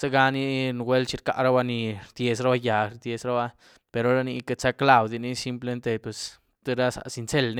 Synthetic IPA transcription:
sa˦ɡa˧ni˦n˧ɡwe˦lt͡ʃi˧ɾka̰˨ɾa˦ba˧ni˧ɾd̪̥je˧sɾa˦ba˦ja˨ɾd̪je˧sɾa˦ba˦ | pe˧ɾo˦ɾa˦ni˧ka˧t͡sa˦kla˨wd̪i˧ni˦si˦mple˧˦nt̪e˧pwe˨s | t̪e˦ɾa˦sa̰˨si˧nt͡se˦lni˦

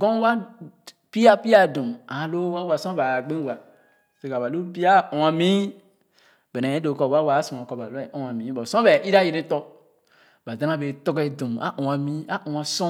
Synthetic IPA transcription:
ɡɔ̃˦wa˦ | pi˦a˦pi˦a˦˨dõ˨a˨˦lo˦wa˦wa˨sɔ̃˦ba˨ɡ͡bẽ˦wa˨ | te˨ka˨ba˨lu˦bi˦a˦ʔɔ̃˨a˨mĩ˦ | be˨nɛ̃˨ẽ˦do˨˦kɔ˨wa˦wa˨˦sɔ̃˨a˨kɔ˨ba˨lo˦ɛ˦ʔɔ̃˦a˨mĩ˨˦bɔ˨sɔ̃˦bɛ˨ʔi˦ɾa˦˨ji˨ɾẽ˦tɔ˦ | ba˨dã˨˦a˦be˨tɔ˦ɡe˨dõ˨a̰˦ʔũ˨a˨mĩ˦a˦ʔũ˨a˨sɔ̃˦

